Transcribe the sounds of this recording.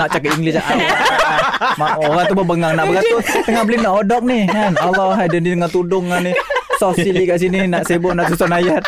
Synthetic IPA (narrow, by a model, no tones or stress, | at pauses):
naʔt͡ʃakapiŋɡlɪsaʔaa | maoɣaŋt̪ubəbəŋaŋnaʔbəkat̪ʊt̪əŋahbəlɪnaʔodɔk̚nihŋanalawɦajdəndit̪əŋat̪udʊŋːanisɔfsilikaʔsininaʔsebɔnaʔsusɔnajat̚